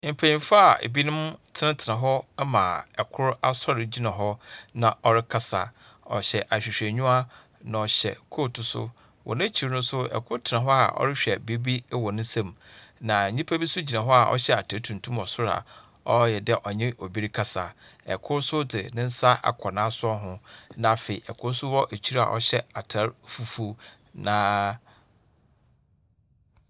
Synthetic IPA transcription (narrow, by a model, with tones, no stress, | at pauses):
m̩˨pʰæ̃˨ɲĩ˨fa˦a˨ḛ˨bi˦nʊ̃˦mtʰɪ˦nɪ̃˦tʰɪ˨nã˨ɦɔ˦mã̰˨ɛ˨kʰʊ˦ɾa˦sɔ˦ɾɪ˨d͡ʑi˦nã˨ɦɔ˦nã˨ɔ˨ɾɪ˦kʰa˦sa̰˨ | ɔ̰˨ɕɛ˨ʔa˨ɕᶣi˨ɕᶣɛ˨ɲᶣũ˦a˦ | nã˨ɔ˨ɕɛ̰˨kʰoː˦˨tʰʊ˨sʊ̰˦ | wʔɔ̰˨nɪ̃˦t͡ɕʰi˨ɾnʊ̃˦sʊ˦ɛ̰˨kʰʊ˦ɾtʰɪ˨nã˨ɦɔ˦a˨ʔɔ̰˦ɾɪ˦ɕᶣɛ˨bi˦bi˦wɔ˨nʊ̃˦sã˦˨mnã˨ɲĩ˦pʰæ˦bi˦sʊ˦d͡ʑi˨nã˨ɦɔ˦a˨ʔɔ̰˦ɕɛ˦a˨tʰa˨˦tʰũ˨n˨tʰũ˦mɔ˨sʊ˦ɾa̰˨ | ɔ˦jɛ˨dɛ˦ʔɔ˨ɲɪ̃˦ʔɔ˨bi˦ɾi˦kʰa˦sa˨ | ɛ̰˨kʰʊ˦ɾsʊ˦dɪ̰˨nɪ̃˦n̩˦sa˦ʔa̰˨kʰɔ˨nãː˦sʊ˦ɔ˦ɦʊ̃˦nã˨fe˨i˨ʔɛ˨kʰʊ˦ɾsʊ˦wɔ˦ʔe˨t͡ɕʰi˦ɾa̰˨ʔɔ̰˦ɕɛ˦a˨tʰa˨˦ɾfu˨fu˦ | nãː˨˦